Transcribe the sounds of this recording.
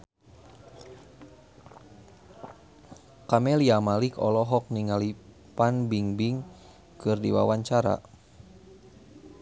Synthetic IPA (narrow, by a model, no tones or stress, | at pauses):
kamɛliamalikɔ̰lɔɦɔk̚niŋali | panbiŋbiŋ | kɨrdiwa̰waɲt͡ʃaɾa̰